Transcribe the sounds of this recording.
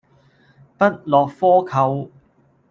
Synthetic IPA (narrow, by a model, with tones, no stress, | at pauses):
pɐ˥t̚lɔː˨k̚fɔː˥kʰɐ˧w